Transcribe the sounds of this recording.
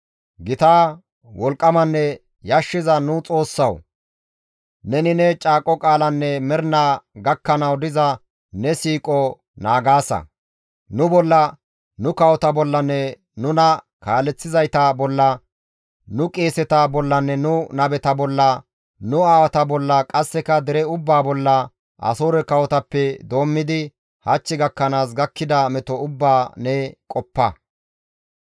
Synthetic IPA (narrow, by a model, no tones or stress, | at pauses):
ɡɪt̪aː | wɔlkʼːɐmɐnːɛ | jɐʃːɪzɐnʊt͡sʼo̞ːsːɐw | nɛnɪnɛt͡ʃʼaːkʼːɔkʼaːlɐnːɛmɛɾnaːɡɐkːɐnɐwd̪ɪzɐ | nɛsiːkʼɔ | naːɡaːsɐ̰ | nʊbɔlːɐ | nʊkɐwɔt̪ɐbɔlːɐnːɛ | nʊnɐ | kaːlɛt͡sːɪzɐjt̪ɐbɔlːɐ | nʊkʼeːsɛt̪ɐbɔlːɐnːɛnʊnɐbɛt̪ɐbɔlːɐ | nʊaːwɐt̪ɐbɔlːɐkʼɐsːɛkɐd̪ɛɾɛʊbːaːbɔlːɐ | ʔɐ̰soːɾɛkɐwɔt̪ɐpːɛd̪o̞ːmːɪd̪ɪ | hɐt͡ʃːɪɡɐkːɐnaːs̬ɡɐkːɪd̪ɐmɛt̪ɔʊbːaːnɛkʼɔpːɐ